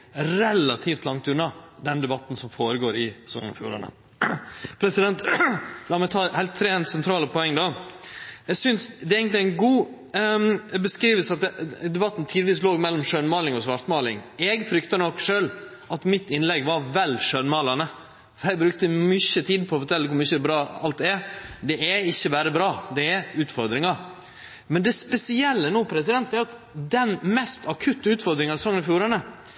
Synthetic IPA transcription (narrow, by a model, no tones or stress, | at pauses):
ɾɛlːɑt̪ʰift̪lɑŋt̪ʉnːɑd̪ɛnd̪ɛbɑt̪ːn̩sɔmfoːɾəɡoːɾɪsɔ̰nəfjṵːɾɑ̰nə̰ | pʰɾɛsɪd̪ɛnt̪lɑːmɛt̪ʰɑːhæɪlt̪ʰːɾeːnsɛnt̪ʰɾɑːləpʰɔɛŋːd̪ɑ | ɛɡsʏnsd̪ɛeɪɡənt̪lɪæɪnɡuː | ɛbəskɾiːʋəsɑt̪̚ɛd̪ɛbɑt̪ːnt̪ʰiːd̪ɪʋiːs̬loːɡmɛlːɔmʂøːnmɑːlɪŋɔsʋɑɾt̪mɑːlɪŋɛɡfɾʏkt̪ɑnɔkːʂøːl | ʔɑt̪mɪt̪ːɪnlɛɡʋɑɾʋɛlʂøːnmɑːlɑnə | fɔɾæɡbɾʉk̚t̪əmʏçət̪ʰiːd̪pʰɔfɔɾʈʰɛlːəkʊɾmʏçəbɾɑːɑ̰lt̪̚d̪ɛɛd̪ɛʔɛɪçːəbæːɾəbɾɑːd̪ɛɛʉːt̪fɔɾd̪ɾɪŋɑ | mɛnd̪ɛspɛsɪɛlːənuːpʰɾɛsɪd̪ɛnt̪d̪ɛæɾɑt̪ | d̪ɛnmɛst̪ɑkʰʉt̪ːəʉːt̪fɔɾd̪ɾɪŋɑsɔŋːənfjuːɾɑnə